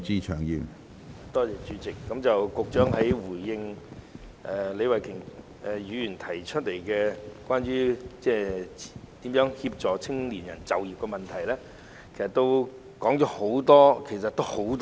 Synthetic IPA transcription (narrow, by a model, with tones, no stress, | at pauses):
t͡siː˥t͡ʃʰœː˨˩ŋjiː˨m | t̪ɔː˥t͡sɛː˨˧t͡ʃyː˨˧˥t͡sɪ˨kːɐ˨˥mt͡sɐ˨wkʊ˨k̚t͡ʃœː˨˥ŋhɐ˨˥jwuː˨˩jːɪ˧ŋ | ʔɛː˨le˨˧jwɐ˨jkʰɪ˨˩ŋ | ʔjyː˨˧jyː˨˩nt̪ʰɐ˨˩jt͡ʃʰɵ˥t̚le˨˩jkɛ˧kwaː˥nɥyː˥t͡sɛː˥˩ | t̪iː˨˥mjœː˨˥ŋhiː˧p̚t͡ʃɔː˨t͡sʰɪ˥ŋliː˨˩njɐ̰˨˩nt͡sɐ˨wjiː˨p̚kɛ˧mɐ˨nt̪ʰɐ˨˩jlɛː˥ | kʰe˨˩jsɐ˨t̪ːo˥w | kɔː˨˥ŋt͡ʃɔː˨˥ho˨˥wt̪ɔː˥kʰe˨˩js̬ɐ˨t̪ːo˥who˨˥wt̪ː